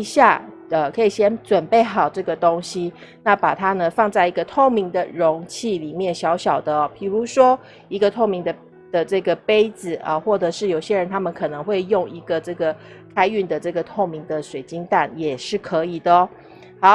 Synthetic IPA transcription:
ɕja̰˥˩ | ə˩kʰɤ˧˥i˨˩ɕjɛ˥nt͡swə˨˩npe˥˩ɪxɑ˨˩ʊʈ͡ʂɤ˥˩ɡə˩t̪o˥ŋɕi˧˦ | na˥˨pa˨˩t̪ʰa˥nə˨fɑ˥˧ŋt͡sa˥˩ɪi˧˦ɡə˧t̪ʰo˥˩ŋmi˧˥ŋd̪ə˨ɻo˧˥ŋt͡ɕʰi˥˩li˨˩mjɛ˥˩nɕjɑ˧˥ʊɕjɑ˨˩ʊd̪ə˦ɔ˩pʰi˨˩ɻu˧˦ʂwɔ˥ | i˧˥ɡə˨t̪ʰo˥˩ʊmi˧˥ŋd̪ə˧ | d̪̥ə˨ʈ͡ʂɤ˥˩ɡə˩pe˥ɪd͡zɹ̩˨ə˨xwɔ˥˩ʈ͡ʂɤ˨˩ʂɻ̩˥˩jo˨˩ʊɕjɛ˦˥ɻə˧˦nt̪ʰa˥mə˨nkʰɤ˨˩nɤ˧˦ŋxwe˥˧ɪjo˥˩ŋi˧˥ɡə˨ʈ͡ʂɤ˥˩ɡə˩ | kʰa˥ɪy˥˩nd̪ə˩ʈ͡ʂɤ˥˩ɡə˩t̪ʰo˥˩ŋmi˧˥ŋd̪ə˨ʂwe˨˩ɪt͡ɕi˥ŋt̪a˥˩njɛ˨˩ʂɻ̩˥˩kʰɤ˧˥i˨˩d̪ə˩˦ | hɑ˧˦ʊ

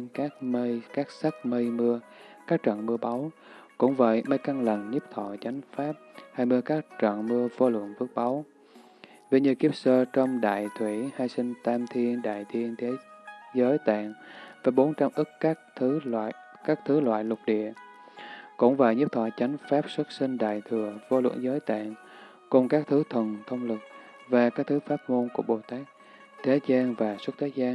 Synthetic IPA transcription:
kaː˦˥k̚mə˧jkaː˦˥k̚sa˦˥k̚mə˧jmɨ˧əkaː˦˥k̚t͡ɕə̰˧˨nmɨ˧əɓa˨˦wkʊ̰˧˥ŋ͡mvə̰˧˨jmə˧jka˧ŋlə˨˩ŋɲi˦˥p̚t̪ʰɔ̰˧˨t͡ɕa˨˦jŋ̟faː˦˥p̚haː˧jmɨ˧əkaː˦˥k̚t͡ɕə̰˧˨nmɨ˧əvo˧lwɨ̰˧˨ənvɨ˦˥ək̚ɓa˨˦w | vi˧ɲɨ˧ki˦˥əp̚səː˧t͡ɕɔ˧wŋ͡mɗa̰ː˧˨jt̪ʰwi˧˩haː˧jsï˧ŋ̟t̪aː˧mt̪ʰi˧ənɗa̰ː˧˨jt̪ʰi˧ənt̪ʰe˨˦zəː˨˦jt̪a̰ː˧˨nvaː˨˩ɓo˨˦nt͡ɕa˧mʔɨ˦˥k̚ːt̪ʰː | kaː˦˥k̚t̪ʰɨ˨˦lwa̰ː˧˨jlʊ˨˩k͡p̚ɗḭ˧˨ə | kʊ̰˧˥ŋ͡mva̰ː˨˩jɲɨ˦˥p̚t̪ʰɔ˧˩t͡ɕa˨˦jŋ̟faː˦˥p̚swə˦˥t̚sï˧ŋ̟ɗa̰ː˧˨jt̪ʰɨ˨˩əvo˧lwə̰˧˩əŋzəː˨˦jt̪a̰ː˧˨n | kʊ˨˩ŋ͡mkaː˦˥k̚t̪ʰɨ˨˦t̪ʰwə˨˩nt̪ʰə˧wŋ͡mlɨ˨˩k̚ | vaː˨˩kaː˦˥k̚t̪ʰɨ˨˦faː˦˥t̚mo˧nku˧˩əɓo˨˩t̪aː˦˥k̚ | t̪ʰe˨˦zaː˧nvaː˨˩swə˦˥t̚t̪ʰe˨˦zaː˧n

